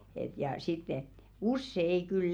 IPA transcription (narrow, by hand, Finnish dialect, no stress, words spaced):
et jɑ sitː et̞ usːe ei kyl